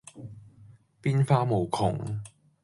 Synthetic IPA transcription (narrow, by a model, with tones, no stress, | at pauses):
piː˥nfaː˥mo˨˩wkʰʊ̰˨˩ŋ